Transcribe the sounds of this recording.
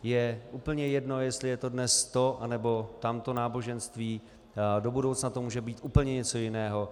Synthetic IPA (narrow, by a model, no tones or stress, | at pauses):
jɛʔuːpl̩ɲɛjɛdno̞jɛst̪lɪjɛt̪o̞dnɛst̪o̞ʔanɛbo̞t̪amt̪o̞naːbo̞ʒɛnst̪viː | do̞budowt͡snat̪omuːʒɛbiːt̪ʔuːpl̩ɲɛɲɛt͡so̞jɪnɛːɦo̞